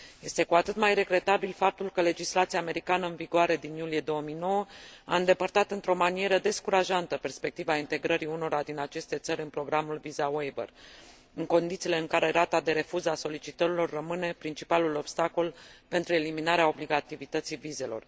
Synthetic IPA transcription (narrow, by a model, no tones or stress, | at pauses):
je̞st̪e̞kuat̪ɨt̪majɾe̞ɡɾe̞t̪abilfap̚t̪ulkəle̞d͡ʒislat̪siaːme̞ɾikanəɨnviɡoaɾe̞d̪injulie̞d̪o̞wəmijno̞wəa̰ɨnd̪e̞pərt̪at̪ɨnt̪ɾo̞manije̞ɾəd̪e̞skuɾaʒant̪əpe̞rspe̞k̚t̪ivaint̪e̞ɡɾəɾiuno̞ɾad̪inat͡ʃe̞st̪e̞t̪səɾʲɨnpɾo̞ɡɾamulvizawejbə̰r | ɨŋko̞nd̪it̪sile̞ɨŋkaɾe̞ɾat̪ad̪e̞ɾe̞fuzaso̞lit͡ʃit̪əɾilo̞rːəmɨne̞pɾint͡ʃi̥palulo̞bst̪ako̞lpe̞nt̪ɾue̞liminaɾeao̞bliɡat̪ivit̪ət̪sivize̞lo̞̰r